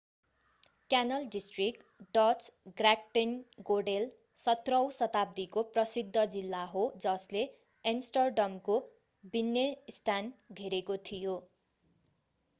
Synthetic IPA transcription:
kjanʌlɖisʈrik | ɖʌt͡sɡrak̚ʈinɡorɖel | sʌt̪rʌwsʌt̪ab̚d̪ikoprʌsid̪ʱːʌd͡zilːaɦod͡zʌsle | ensʈʌrɖʌmko | binːesʈanɡʱeɾekot̪ʰijo

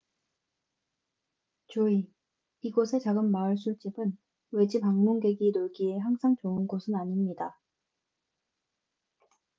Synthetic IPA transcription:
t͡ɕoi | iɡosʰe̞t͡ɕaɡɯmːaɯɭs͈ut͡ɕ͈ibɯn | we̞d͡ʑipaŋmoŋɡe̞ɡinoɭɡie̞ɦaŋsʰaŋt͡ɕoɯnɡosʰɯnaɲimɲida

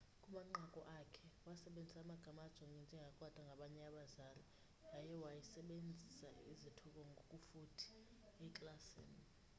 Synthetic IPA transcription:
kʼumaŋ͡ǃakʼɔʔakʰɛwasɛɓend͡zʱisaːmaɡ̥ʱamad̥ʒ̥ʱwaŋɡʱɛnd͡ʒʱɛŋɡʱakʼwatʼaŋɡʱaɓaɲɛaɓazaːli | ajɛwajisɛɓend͡zʱisaizitʰɔk̬ʼɔŋɡʱokʼufutʰi̥ | ɛkʼlasḭːni

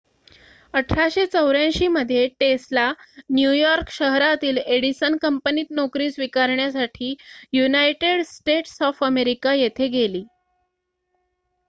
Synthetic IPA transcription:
əʈʰaɕet͡səwɾjãɕiːməd̪ʱːjeʈeslanjujɔɾkɕəɦɾat̪iːleɽisənkəmpəniːt̪̚nokɾiːsʋikaɾɳjasaʈʰiːjunajʈeɽsʈeʈsɔfəmeɾikajet̪ʰeɡeliː

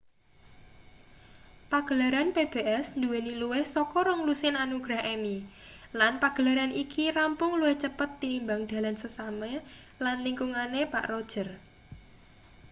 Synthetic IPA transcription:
paɡ̥əlaɾanpeb̥eʔɛsnd̪uweniluwɪhsɔkɔɾɔŋlusɪnanuɡ̥ɾaɦɛmi | lanpaɡ̥ə̤laɾanʔikʰirampʊŋluwɪht͡ʃəpət̪ːimbaŋd̪̥a̤lansəsamɛ | lanliŋkuŋanepa̰ʔrod̥ʒ̥ə̤r

